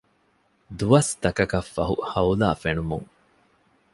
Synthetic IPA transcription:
d̪uʋɐst̪ɐkɐkɐfːɐɦṵhɐula̰ːfenumṵŋ

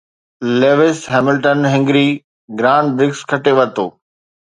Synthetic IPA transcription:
leːʋɪsɦɛːmɪlʈənɦɪ̃ŋɡɾi | ɡɾaːnɖbɾɪkskʰɐʈeʋɐt̪oː

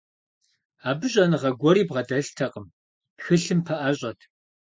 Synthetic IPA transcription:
aːbɨɕʼɐnɨʁɐɡʷɔɾiːbʁɐdɐɬtʰɐqʼəm | xɨɬɨmpʰɐʔɐɕʼɐtʰ

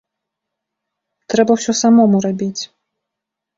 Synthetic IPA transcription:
t̪ɾɛbɐwsʲɔsamɔmurabʲit͡sʲ

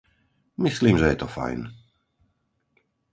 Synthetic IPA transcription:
misliːmʒɛjɛt̪ɔfa̰jn

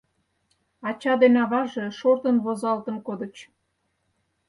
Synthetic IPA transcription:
ɑt͡ɕɑd̪enɑβɑʒe̽ʃort̪ənβozɑlt̪ənkod̪ə̆t͡ɕ

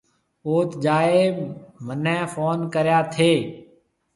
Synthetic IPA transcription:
oːt̪d͡ʒaːeːmənɛ̃ːfoːnkəɾjaːt̪ʰeː

